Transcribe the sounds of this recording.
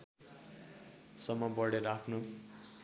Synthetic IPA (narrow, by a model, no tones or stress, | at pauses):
sʌmːʌbʌɽeɾapʰno